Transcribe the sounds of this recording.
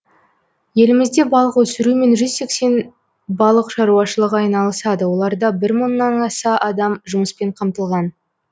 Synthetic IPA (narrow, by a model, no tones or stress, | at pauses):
je̞lɪmɪzd̪e̞bɑlˠəqwɵsɪɾume̞nʒʏzse̞kse̞n | bɑlˠəqʃɑɾuɑʃəlˠəqɑjnɑlˠəsɑd̪əwo̞lˠɑɾd̪ɑbɪɾmənːɑnɑsɑʔɑd̪ɑmʒʊməspe̞ɴqʰɑmt̪əlˠʁɑn